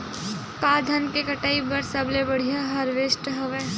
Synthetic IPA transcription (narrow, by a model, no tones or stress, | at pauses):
paːd̪ʱənkekɐʈaːibɐɾsɐblebɐɽ̤ijaɦɐɾʋesʈɦɐʋeː